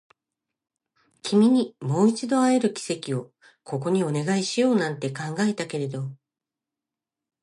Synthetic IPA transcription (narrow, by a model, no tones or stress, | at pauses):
kʲʰimʲiɲ̟imo̞ːit͡ɕid̪o̞aeɾɯ̟kʲi̥se̞kʲio̞ | kʰo̞ko̞ɲ̟io̞ne̞ɡaiɕijo̞ːnãnt̪e̞kãŋɡae̞t̪ake̞ɾe̞d̪o̞